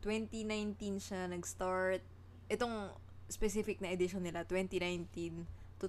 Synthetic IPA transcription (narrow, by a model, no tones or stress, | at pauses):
t̪wɛnt̪inajnt̪inʃanɐɡst̪aɹt̪̚ | ʔɛt̪o̞ŋ | spɛsifɪk̚nɐʔɛd̪ɪʃonːɪlat̪wɛnt̪inajnt̪in | t̪u